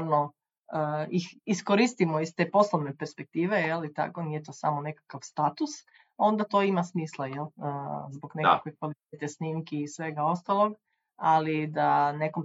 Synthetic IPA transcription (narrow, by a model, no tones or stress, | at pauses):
ɾno | əixiskoɾist̪imoist̪eːpo̞slˠoʋnepeɾspek̚t̪iːʋe̞jelit̪a̰konijet̪oːsamone̞kakaʋst̪at̪us | o̞nd̪at̪o̞imasmiːslˠajelˠəzboɡneka̰kʋekʋalit̪et̪esniːmkiːsʋe̞ɡao̞st̪alˠo̞ɡ | alid̪ane̞kom